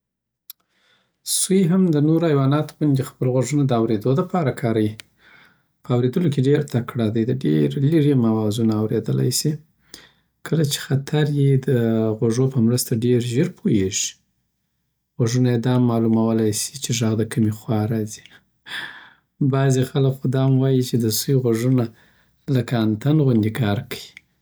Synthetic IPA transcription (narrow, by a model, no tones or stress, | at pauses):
sujɦamd̪ənoɾajwɑnɑt̪o̥bund̪expəlɣwaʒənad̪əawɾed̪od̪əpɑɾakʰɑɾawi | pəawɾed̪əlokeɖeɾt̪akɽɑd̪əjd̪əɖeɾliɾimawɑzunaːwɾed̪əla̰jsi | kʰəlat͡ʃe̥xat̪ʰaɾjed̪əɣwaʐopəmɾəst̪aɖeɾʒeɾpʰojeʐi̥ | ɣaʐunajed̪ɑmːɑlumawəlajsi̥t͡ʃeʒaɣd̪əkamexwɑɾɑzi̥ | bɑzexalakxʊd̪ɑmwɑjit͡ʃed̪əsujɣwaʐuna | ləkaːnt̪anɣʊnd̪ikʰɑɾkḁji